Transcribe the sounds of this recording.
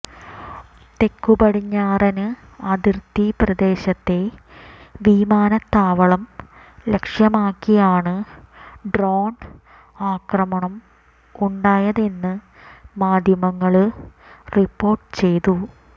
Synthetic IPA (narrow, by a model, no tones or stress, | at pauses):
t̪e̞kːubɐɽiɲːaːrɐnɨ | ɐd̪irt̪iprɐd̪e̞ːɕɐt̪ːe̞ | ʋiːmaːnɐt̪ːaːʋɐɭɐm | le̞kʂjɐmaːkːijaːɳɨ | ɖroːn | aːkrɐmɐɳɐm | uɳɖaːjɐðe̞nːɨ | maːd̪ʱjɐmɐŋːɐɭ | ripːo̞ːrʈɨ̥t͡ɕe̞jt̪u